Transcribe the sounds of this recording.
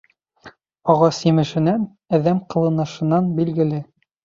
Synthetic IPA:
ɒʁɑsjɘ̆mɘ̆ʃɘ̆næn | æðæmqɤ̆lˠɤ̆nɤ̆ʃɤ̆nɑnbilɡɘ̆lɘ

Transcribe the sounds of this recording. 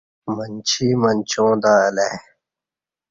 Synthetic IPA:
mɐnt͡ɕʰiːmɐnt͡ɕʰõːd̪aːele

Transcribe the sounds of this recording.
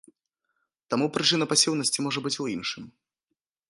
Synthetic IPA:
t̪amupɾɨt͡ʂɨnɐpasʲiwnɐsʲt͡sʲimɔʐɐbɨt͡sʲuinʂɨm

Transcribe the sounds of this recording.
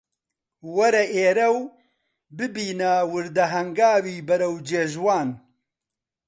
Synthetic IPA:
wɐɾɐʔeːɾɐw | bɨbiːnawɨɾd̪ɐɦɐŋɡaːwiːbɐɾɐwd͡ʒeːʒwaːn

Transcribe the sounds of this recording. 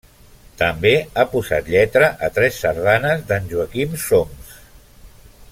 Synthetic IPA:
t̪əmbeapuza̰t̪ʎɛt̪ɾəʔət̪ɾɛsːəɾð̞anəzðənʲʒuəkimsoms

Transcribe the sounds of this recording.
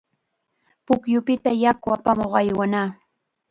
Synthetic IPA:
pʊkjʊpɪt̪ajakʊapamoχajwanaː

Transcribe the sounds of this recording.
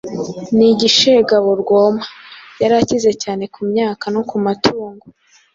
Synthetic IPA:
niɟiʃeɡaβoɾɡoːmajaɾacize̞caːne̞kumɲaːkano̞kumatʰuːŋɡo

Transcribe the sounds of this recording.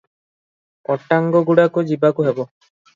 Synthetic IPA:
ɔʈaŋɡɔɡuɽakod͡ʒibakuɦebɔ

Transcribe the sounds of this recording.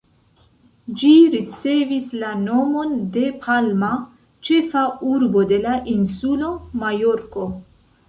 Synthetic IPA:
d͡ʒiɾit͡se̞vislano̞mo̞nde̞pʰalma | t͡ʃe̞fauɾbo̞de̞laʔinsulo̞majo̞ɾko̞

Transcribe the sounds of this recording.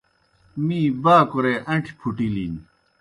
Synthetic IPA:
mĩːbaːkuɾeʔɐʈʰi̥pʰuʈilin

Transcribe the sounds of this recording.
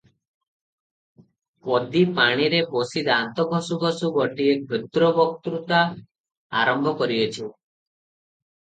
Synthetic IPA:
pɔd̪ipaɽ̃iɾepɔsid̪ant̪ɔɡʱɔsuɡʱɔsuɡɔʈiebʱed̪ɾɔbɔk̚t̪ɾut̪a | aɾɔmbʱɔkɔɾiɔt͡ʃʰi

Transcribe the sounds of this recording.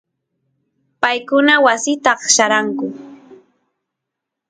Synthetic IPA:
pajkʊnawasɪt̪ɑχʃaɾaŋkʊ

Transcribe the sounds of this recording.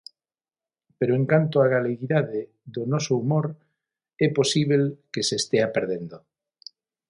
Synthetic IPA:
peɾoeŋkant̪oaɣaleɣiðaðe | ðonosoumoɾ | epo̞siβ̞elkeseːst̪eapeɾð̞end̪o

